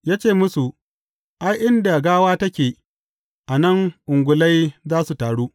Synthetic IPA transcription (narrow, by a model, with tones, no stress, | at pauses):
jaː˦t͡ʃeː˦˨mʊ˦su˨ | ʔa˦jʔɪ˦nda˨ɡaː˦waː˦tɐ˦kʲeː˨ | ʔa˨nɐ˦ŋʔʊ˨ŋɡʷʊ˨la˦jzaː˦su˨taː˨ɽuː˦